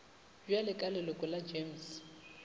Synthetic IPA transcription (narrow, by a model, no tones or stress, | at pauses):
d͡ʒwalɪkʼalɛlɔkʼɔlad͡ʒems